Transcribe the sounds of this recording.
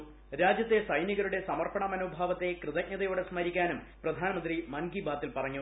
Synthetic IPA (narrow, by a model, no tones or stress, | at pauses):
ɾaːd͡ʑjɐt̪ːe̞sɐjniɣɐɾuɽe̞sɐmɐrpɐɳɐmɐnuːbʱaːʋɐt̪ːe̞krɨðɐk̚ɲɐðɐjoːɽe̞smɐɾikʲːaːnum | prɐd̪ʱaːnɐmɐnd̪rimɐnɡibaːt̪ːilpɐrɐɲːu